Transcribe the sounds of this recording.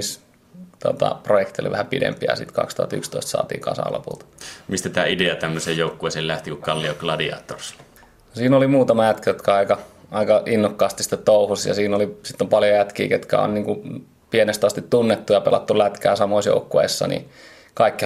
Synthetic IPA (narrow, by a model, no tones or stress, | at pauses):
is | t̪uot̪ɑ̰projekt̪io̰lḭʋæhæpidḛmpiæ̰sḭt̪kɑ̰kst̪uhɑ̰t̪y̰kst̪o̰ist̪sɑ̰ːt̪ḭːkɑ̰sɑ̰ːlo̰pṵlt̪ɑ̥mist̪æt̪æːideɑt̪æmːøsejjoˑukːueːˑsellæht̪ikukɑlːioklɑdiɑ̰ːt̪ːors | nosiːnolimuːt̪ɑmɑjæt̪kijot̪kæɑikɑɑikɑʔinːokːɑːst̪ist̪ːet̪t̪oˑuhusjɑ̰siːnolisit̪ːompɑljojæt̪kḭːket̪kæ̰o̰nniːŋku | pienest̪ɑst̪it̪t̪unːet̪ːujɑpelɑ̰t̪ːulæt̪kæːsɑmoisjo̰ukːuḛisːɑ̰nḭ | kɑikːi